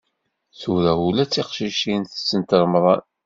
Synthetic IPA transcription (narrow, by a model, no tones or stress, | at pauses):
θuɾæulæt͡sːiqʃiʃinθəsːənt̪əɾˤmðˤɑ̰n